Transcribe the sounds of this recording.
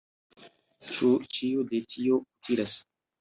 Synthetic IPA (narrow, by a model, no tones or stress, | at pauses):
t͡ʃut͡ʃiodetʰioutʰiɾas